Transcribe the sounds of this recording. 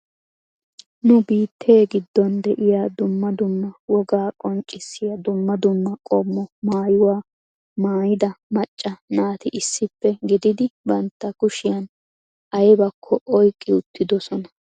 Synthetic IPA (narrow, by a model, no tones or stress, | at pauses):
nʊbiːt̪ʰːe̞ːɡɪd̪ːɔnd̪ɛʔɪjaːd̪ʊmːɐd̪ʊmːɐwɔɡaːkʼɔnt͡ʃʼːɪsːɪjɐd̪ʊmːɐd̪ʊmːɐkʼɔmːɔmaːjʊwaː | maːjɪd̪ɐmɐt͡ʃʼːɐnaːt̪ɪʔɪsːɪpːɛɡɪd̪ɪd̪ɪbɐnt̪ːɐkʊʃɪjɐn | ʔɐjbɐkʰːɔʔɔjkʼːɪʊt̪ːɪd̪ɔsɔnɐ